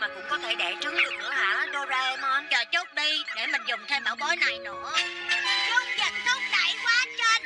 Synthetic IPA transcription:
maː˨˩kʊ̰˧˥ŋ͡mkɔ˨˦t̪ʰe˧˩ɗɛ̰˧˩t͡ɕɨ˨˦ŋɗɨ˨˩ək̚ʔa̰ː˧˩a˨˦ɗo˧za˧mɔ˨˦nt͡ɕɔ˧˩t͡ɕo˦˥k͡p̚ɗi˧ɗe˧˩mï˨˩ŋ̟zʊ˨˩ŋ͡mt̪ʰe˧wma̰ː˧˩wɓɔ˨˦jna˨˩jnɨ̰˧˥˩əku˦˥t̚zə˧˨˩nt̪ʰo˦˥k͡p̚ɗa˧˩jkwaː˨˦˥nt͡ɕəː˧n

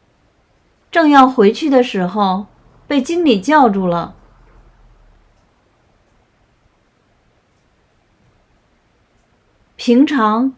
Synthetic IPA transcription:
ʈ͡ʂɤ˥˧ŋjɑ˥˩ʊxwe˧˥ɪt͡ɕʰy˥˩d̪ə˩ʂɻ̩˧˥xo˧ʊ | pe˥˩ɪt͡ɕi˥ŋli˨˩t͡ɕjɑ˥˧ʊʈ͡ʂu˥˩lə˩ | pʰi˧˥ŋʈ͡ʂʰɑ˧˥ŋ

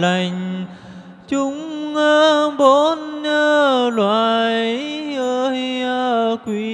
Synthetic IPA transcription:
la˨˩jŋ̟ | t͡ɕʊ˨˧˦ŋ͡məː˧ɓo˧˦nɲəː˧lwa̰ː˧˨jʔə˧jə˧kwi˧

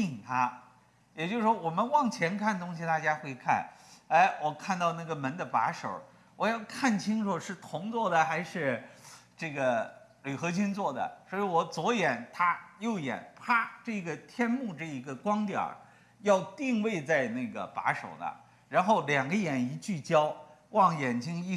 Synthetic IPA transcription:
ti˥˩ŋt̪ʰa˥ | jɛ˨˩t͡ɕjo˥˧ʊʂʂwɔ˥wɔ˨˩mə˦nwɑ˥˩ŋt͡ɕʰjɛ˧˥nkʰa˥˩nt̪ʊ˥ŋɕi˨t̪a˥˩t͡ɕja˥xwe˥˧ɪkʰa̰˥˩ne˥˩ɪwɔ˨˩kʰa˥˧nt̪ɑ˥˧ʊna˥˩ɡə˩mə˧˥nd̪ə˧pa̰˧˥ʂo˨˩ʊ | wɔ˨˩jɑ˥˧ʊkʰa˥˩nt͡ɕʰi˥ŋʂo˨˩ʂɻ̩˥˩t̪ʰʊ˧˥ŋt͡swɔ˥˩d̪ə˩xa˧˥ɪʂɻ̩˥˧ | ʈ͡ʂɤ˥˩ɡə˩ly˨˩xɤ˧˥t͡ɕʰy˥nt͡swɔ˥˩d̪ə̰˩swɔ˧˥i˧˥wɔ˧˩t͡swɔ˧˥jɛ˨˩˦nt̪ʰa˥jo˥˩ʊjɛ̰˨˩˦npʰa˥ʈ͡ʂɤ˥˩ɡə˩t̪ʰjɛ˥nmu˥˧ʈ͡ʂɤ˥˩i˧˥ɡə˧kwɑ˥ŋt̪jɑ̰˞˨˩˦ | jɑ˥˧ʊt̪i˥˧ŋwe˥˧ɪt͡sa˥˧ɪna˥˩ɡə̰˩pa̰˧˥ʂo˨˩ʊnə̰˦ | ɻa˧˥nxo˥˩ʊljɑ˨˩ŋɡə˦jɛ˨˩ni˧˥t͡ɕy˥˩t͡ɕjɑ˥ʊwɑ˥˩ŋjɛ˨˩nt͡ɕi˥ŋi˥˧

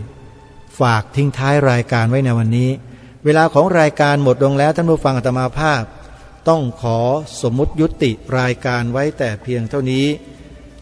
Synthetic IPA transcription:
faː˨˩k̚t̪ʰi˥˩ŋt̪ʰaː˦˥jɾaː˧jkaː˧nwa˦˥jna˧jwa˧nːiː˦˥ | weː˧laː˧kʰɔː˩˦ŋɾaː˧jkaː˧nmo˨˩t̪̚lo˧ŋlɛː˦˥wt̪ʰa˥˩pʰu˥˩fa˧ŋʔa˨˩t̪ʰa˧ma˧pʰaː˥˩p̚ | t̪ɔ˥˩ŋkʰɔː˩˦so˩˦mːu˦˥t̪̚ju˦˥t̪ːi˨˩ɾaː˧jkaː˧nwa˦˥jt̪ɛː˨˩pʰi˧əŋt̪ʰa˥˩wniː˦˥

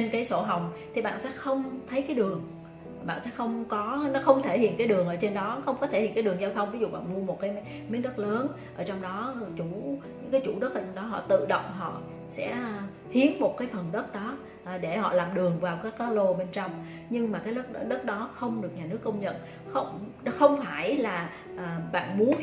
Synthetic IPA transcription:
t͡ɕe˧nkaː˨˦jso˧˩ɦa˨˩wŋ͡mt̪ʰi˨˩ɓa̰ː˧˨nsɛ̰˧˥xə˧wŋ͡mt̪ʰə˨˦jkaː˨˦jɗɨ˨˩əŋ | ɓa̰ː˧˨nsɛ̰˧˥xə˧wŋ͡mkɔ˨˦nɔ˨˦xə˧wŋ͡mt̪ʰe˧˩hḭ˧˨ənkaː˨˦ɗɨ˨˩əŋʔəː˧˩t͡ɕe˧nɗɔ˨˦xə˧wŋ͡mkɔ˨˦t̪ʰe˧˩hḭ˧˨kaː˨˦ɗɨ˨˩əŋzaː˧wt̪ʰə˧wŋ͡mvi˨˦zṵ˧˨ɓa̰ː˧˨nmu˧əmo˨˩t̚kaː˨˦j | mi˨˦˥nɗə˦˥t̚ləː˨˦n | ʔəː˧˩t͡ɕɔ˧wŋ͡mɗɔ˨˦˨t͡ɕu˧˩ɲɨ̰˧˥ŋkaː˨˦jt͡ɕu˧˩ɗə˦˥t̚ə˧ɗɔ˨˦ɦɔ̰˧˨t̪ɨ̰˧˨ɗə̰˧˨wŋ͡mɦɔ̰˧˨ | sɛ̰˧˥ | hi˨˦ənmo˨˩t̚kaː˨˦jfə˨˩nɗə˦˥t̚ɗɔ˨˦˨ | ɗe˧˩hɔ̰˧˨laː˨˩mɗɨ˨˩əŋvaː˨˩wkaː˨˦jkːaː˨˦lo˧ɓe˧nt͡ɕɔ˧wŋ͡m | ɲɨ˧ŋmaː˨˩kaː˨˦jɗə˦˥t̚ɗə˦˥t̚ɗɔ˨˦xə˧wŋ͡mɗɨ˨˩ək̚ɲaː˨˩nɨ˦˥əkːə˧wŋ͡mɲə̰˧˨n | xə˧wŋ͡m | xə˧wŋ͡mfaː˧˩jlaː˨˩ | ʔːɓa̰ː˧˨nmu˨˦ə

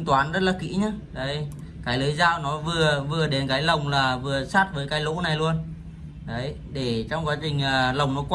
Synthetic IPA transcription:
ŋt̪waː˨˦nzə˦˥t̚laː˨˩kḭ˧˥ɲa˨˧˦ɗə˨˦j | kaː˨˦jləː˨˦jzaː˧wnɔ˨˦vɨ˨˩əvɨ˨˩əɗe˨˦nkaː˨˦jlə˨˩wŋ͡mlaː˨˩vɨ˨˩əsaː˦˥t̚vəː˨˦jkaː˨˦jlo̰˧˥na˨˩jlu˧ən | ɗə˨˦j | ɗe˧˩t͡ɕɔ˧wŋ͡mkwaː˨˦t͡ɕï˨˩ŋ̟ʔəː˨˩˨lə˨˩wŋ͡mnɔ˨˦kwa˧

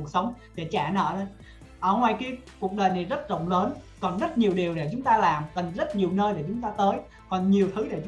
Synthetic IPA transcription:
u˨˩ək̚sə˨˦wŋ͡mɗe˧˩t͡ɕaː˧˩nə̰ː˧˨nə˨˧˦j | ʔəː˧˩ŋwa˧˩jki˧˨˧ | ku˨˩ək̚ɗəː˨˩jna˨˩jzə˦˥t̚zə̰˧˨wŋ͡mləː˨˦nkɔ˨˩nzə˦˥t̚ɲi˨˩əwɗi˨˩əwɗḛ˧˩t͡ɕʊ˨˦ŋ͡mt̪aː˧laː˨˩mkə˨˩ŋzə˦˥t̚ɲi˨˩əwnəː˧jɗe˧˩t͡ɕʊ˨˦ŋ͡mt̪aː˧t̪əː˨˦j | kɔ˨˩nɲi˨˩əwt̪ʰɨ˨˦ɗḛ˧˩t͡ɕ

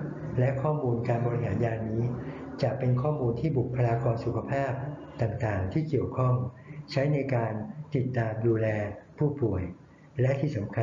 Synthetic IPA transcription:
lɛ˦˥ʔkʰɔː˥˩muː˧nkaː˧nbɔː˧ɾi˧ɦaː˩˦njaː˧nːiː˦˥t͡ɕa˨˩ʔpe˧nkʰɔː˥˩muː˧nt̪ʰiː˥˩bu˨˩k̚pʰːa˧jaː˧kɔː˧nsu˨˩kʰa˧pʰaː˥˩p̚ | t̪aː˨˩ŋt̪aː˨˩ŋt̪ʰiː˥˩ki˨˩əwkʰɔ˥˩ŋt͡ɕʰa˦˥jna˧jkaː˧nt̪i˨˩t̪ːaː˧mduː˧lɛː˧pʰuː˥˩pu˨˩əj | lɛ˦˥ʔt̪ʰiː˥˩sa˩˦mkʰa˧

